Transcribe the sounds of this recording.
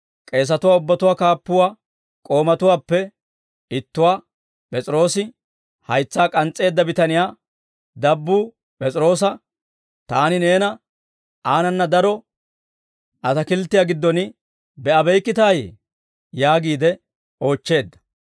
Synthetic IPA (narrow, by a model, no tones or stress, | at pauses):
kʼe̞ːs̬ɐt̪ʊwaːʊbːɐt̪ʊwaːkaːpːʊwaː | kʼo̞ːmɐt̪ʊwaːpːɛ | ɪt̪ːʊwaː | pʼɛt͡sʼɪɾo̞ːsɪ | hɐjt͡sːaːkʼɐnt͡sʼːe̞ːd̪ːɐbɪt̪ɐnɪjaː | d̪ɐbːuː | pʼɛt͡sʼɪɾo̞ːsɐ | t̪aːnɪne̞ːnɐ | aːnɐnːɐd̪ɐɾɔ | ɐt̪ɐkɪlt̪ːɪjaːɡɪd̪ːɔnɪ | bɛɐbɛjkːɪt̪aːjḛː | jaːɡiːd̪ɛ | o̞ːt͡ʃːe̞ːd̪ːɐ̥